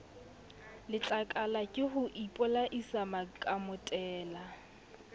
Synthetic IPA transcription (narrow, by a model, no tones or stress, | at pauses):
lɪt͡ɬʼakʼalakʼɪhʊʔipʼɔlaʔisamakʼamʊtʼɛːla